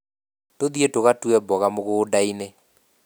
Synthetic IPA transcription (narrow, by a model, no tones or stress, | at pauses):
toðietoɣatuɛbɔɣamoɣoːdaine